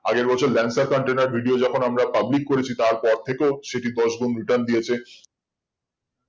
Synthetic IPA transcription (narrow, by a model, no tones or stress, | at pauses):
aɡeɾbɔt͡ɕʰoɾlɛnsaɾkɔɳʈenaɾbʱiɖiod͡ʑɔkʰonamɾapablikːoɾet͡ɕʰit̪aɾpɔɾt̪ʰekeoʃeʈid̪ɔʃɡunɾiʈand̪ijet͡ɕʰe